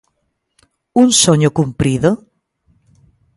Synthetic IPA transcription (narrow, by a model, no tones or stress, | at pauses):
unsoɲokumpɾiðo